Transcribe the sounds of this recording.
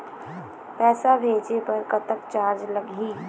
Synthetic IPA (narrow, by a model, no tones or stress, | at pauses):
pɛːsabʱeːd͡ʒepɐɾkɐt̪əkt͡ʃaːɾd͡ʒlɐɡiː